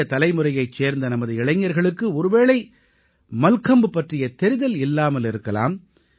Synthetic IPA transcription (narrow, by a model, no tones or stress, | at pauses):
ɐt̪ɐlɐɪmɯrɐjɐɪt͡ʃseːɾnd̪ɐnɐmɐðɯɪɭɐɪŋːɐɾɣɐɭɯkːɯɔɾɯʋeːɭɐɪ | mɐlkɐmbɯpɐʈrɪjɐt̪ɛɾɪðɐlɪlːaːmɐlɪɾɯkːɐla̰ːm